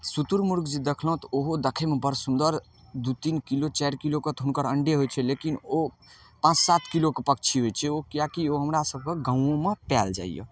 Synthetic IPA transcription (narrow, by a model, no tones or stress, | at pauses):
sut̪uɾmuɾɡd͡ʒid̪ekʰləɦt̪ɔoɦod̪ekʰemebəɾsund̪əɾ | d̪ut̪inkilot͡ʃɛɾkiloket̪ɦunkəɾəɳɖeɦojt͡ʃʰɛlekino | pãt͡ʃsat̪ʰkilokepəkt͡ʃʰiɦojt͡ʃʰɛokijakioɦəmɾasəb̚ʱkeɡãũõmepɛld͡ʒa̰ḭjə̰